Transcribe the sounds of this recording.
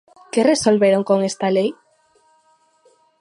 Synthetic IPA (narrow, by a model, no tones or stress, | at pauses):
keresolβeɾoŋkoŋest̪alej